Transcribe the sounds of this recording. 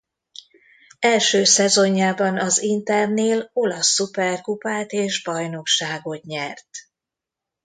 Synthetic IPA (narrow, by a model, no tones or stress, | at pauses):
ɛlʃøːsɛzo̞ɲːaːbɒnɒzint̪ɛrneːlo̞lɒsːupɛrkupaːt̪eːʒbɒjno̞kʃaːɡo̞t̪ɲɛrt̪